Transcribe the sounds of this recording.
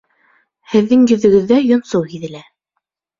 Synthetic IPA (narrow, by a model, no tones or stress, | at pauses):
hɘ̆ðːɘŋjɵ̆ðɵ̆ɡɘ̆ðːæjŏnsɤwhiðɘ̆læ